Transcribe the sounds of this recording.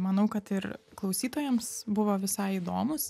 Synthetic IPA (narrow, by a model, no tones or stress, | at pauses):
mɐnɐʊkɐt̪ɪɾklˠɐʊsʲiːt̪oːjɛmsbʊʋoːʋʲɪsɐɪid̪oːmʊs